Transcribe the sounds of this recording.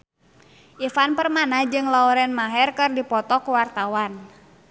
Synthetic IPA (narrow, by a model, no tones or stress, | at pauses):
ʔifanpərmanahd͡ʒɨŋlaɔɾɛnmaɦɛrkɨrdipɔt̪ɔkuwart̪awan